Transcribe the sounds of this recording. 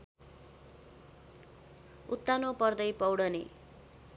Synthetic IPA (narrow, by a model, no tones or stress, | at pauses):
ut̪ːanopʌrd̪ʌjpʌwɽʌnḛ